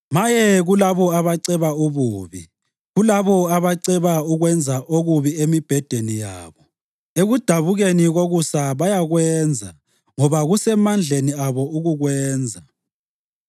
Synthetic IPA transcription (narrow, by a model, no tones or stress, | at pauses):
majɛɣulaβɔaβaǀɛβauβuːβi | ɣulaβɔaβaǀɛβauɣwɛnd͡zʱaʔoɣuβiemib̥ʱɛd̥ʱenija̰ːβɔ | eɣud̥ʱaβuɣeniɣoɣusaβajaɣwɛːnd͡zʱa̰ | ŋɔβaɣusɛmand͡ɮʱeniaβɔuɣuɣwɛːnd͡zʱa